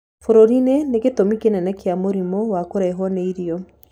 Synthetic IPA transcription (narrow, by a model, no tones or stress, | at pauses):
foɾoɾineneketomikenɛnɛkeamoɾimɔwakoɾɛɦɔnɛiɾiɔ